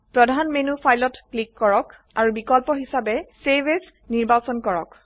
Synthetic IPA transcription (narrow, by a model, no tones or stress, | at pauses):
pɹɔdʱanmenupʰajlɔtklikːɔɹɔk | aɹubikɔlpɔɦisabɛsebes | niɹbasɔnkɔɹɔk